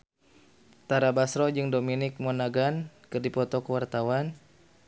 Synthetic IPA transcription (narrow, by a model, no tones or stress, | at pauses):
t̪aɾabasɾɔd͡ʒɨŋdominɪk̚mɔnaɡankɨrdipɔt̪ɔkəwart̪awan